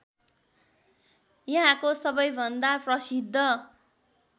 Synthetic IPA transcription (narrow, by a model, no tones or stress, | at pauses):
jʌɦãkosʌbʌjbʱʌnd̪aprʌsid̪ʱːʌ